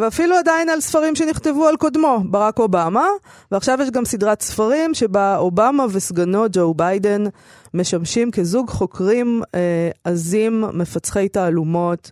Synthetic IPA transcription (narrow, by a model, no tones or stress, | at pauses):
veafiluadainalsfaʁimʃeniχt̪e̞vualko̞d̪mo̞baʁako̞bama | veaχʃavjeʃɡamsidʁat̪sfaʁimʃe̞baobamavesɡano̞d͡ʒowbajden | me̞ʃamʃimkezuɡχo̞kʁimeazimːe̞fat͡sχe̞jtaːlumo̞t